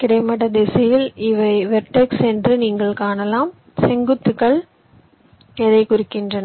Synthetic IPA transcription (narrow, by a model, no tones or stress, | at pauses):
kɪɽɐɪmɐɽɐd̪ɛsɐjɪlɪʋɐɪʋɛɾʈːeksɛndrɯniːŋɡɐɭkaːnɐlaːm | sɛŋɡɯt̪ːɯkːɐɭ | ɛðɐɪkʊɾɪkːɪndrɐnɐ